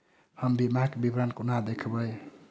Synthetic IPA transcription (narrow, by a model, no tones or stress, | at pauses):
hambimakbibɾankunad̪ekʰabaj